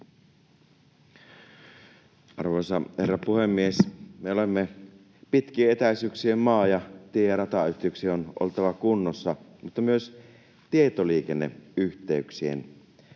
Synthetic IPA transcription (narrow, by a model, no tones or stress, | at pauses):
ʔɑrʋoˑjsɑherːɑpuhemːiesmeolemːe | pit̪kieet̪æˑisyksiemmɑːjɑt̪iejɑɾɑt̪ɑyht̪iyksionʔo̰lt̪ɑʋɑkunːosːɑmut̪ːɑmyøs | t̪iet̪oliːkenːḛyçt̪eyksiḛn